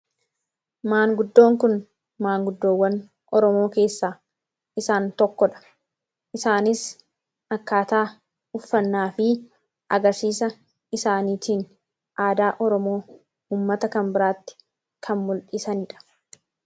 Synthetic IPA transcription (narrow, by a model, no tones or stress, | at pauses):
maːŋɡʊd̪ːo̞ːŋkʊn | maːŋɡʊd̪ːoːwːɐn | ʔɔɾɔmo̞ːke̞ːsːaː | ɪsaːnt̪ɔkːɔᶑɐ̥ | ʔɪsaːnɪs | ɐkːaːt̪aː | ʊfːɐnːaːfɪ | ʔɐ̰ɡɐɾsiːsɐ | ɪsaːniːt̪ʰiːn | ʔaːd̪aːʔɔɾɔmo̞ː | uːmːɐt̪ɐkɐmbɪɾaːt̪ːɪ̥ | kʰɐmmʊlᶑɪsɐniːᶑɐ̥